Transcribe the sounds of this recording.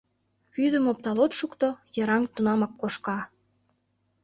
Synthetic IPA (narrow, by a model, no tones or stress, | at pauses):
βyd̪ə̆mop̚t̪ɑlot̪ʃukt̪ojɤ̆ɾɑŋt̪unɑmɑkːoʃkɑ